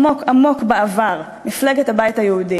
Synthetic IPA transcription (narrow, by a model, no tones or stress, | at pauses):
o̞kamo̞kbeavaʁ | mifleɡethabajthajeudi